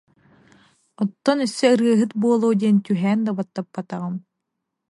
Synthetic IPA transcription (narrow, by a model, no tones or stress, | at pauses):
ɔt̪ːɔnœsːɛɯɾɯɐɦɯt̪̚buɔlˠowd̪iɛnt̪yɦɛːnd̪abat̪ːapːat̪aʁɯm